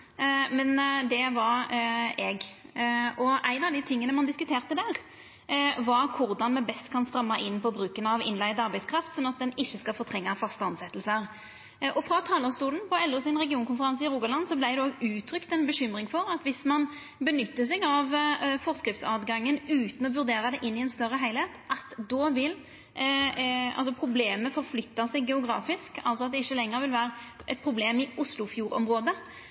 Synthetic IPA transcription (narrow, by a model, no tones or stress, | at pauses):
mɛnd̪ɛʋɑɾɛɡ | ɔʔæɪnɑʋd̪ɪt̪ʰɪŋːənəmɑnd̪ɪskʉt̪ʰeːʁt̪əd̪æːʁ | ʋɑɾkʰʊʁd̪ɑnmɛbɛst̪kʰɑnst̪ɾɑmːɑʔɪnːpʰɔbɾʉːkənɑʋɪ̰nlæɪd̪ɑɾbæɪskɾɑft̪sɔnɑt̪̚d̪ɛnɪçːəskɑlfɔt̪ʰʁɛŋːɑfɑst̪əɑnsɛt̪ːl̩səɾ | ʔɔfɾɑt̪ʰɑːləst̪uːlən̩pɔɛlːusɪnʁɛɡɪuːnkʰʊnfəɾɑnsəɪʁuːɡɑlɑnːsɔblæɪd̪ɛoɡʉːt̪ʰɾʏkt̪ɛnbəɕʏmɾɪŋfɔɾɑt̪ʋɪsmɑn | bənʏt̪ːəs̬ɛɪɡɑʋfɔʁskɾɪft̪sɑːd̪ɡɑŋːənʉːt̪ən̩ɔʋʉɾd̪eːɾɑd̪ɛʔɪnːɪɛnst̪œɾəɦæɪlheːt̪ʔɑt̪d̪ɔʋɪl | ɑ̰lsɔpʰɾʊbleːməfɔʁflʏt̪ːɑsɛɪɡɡɛʊɡɾɑ̰ːfɪskɑ̰lt̪sɔɑt̪̚d̪ɛɪçːəlɛŋːəʁʋɪlʋæːʁəʔɛt̪̚pʰɾʊbleːmɪʔʊslʊfjuːɾɔ̰mʁoːd̪ə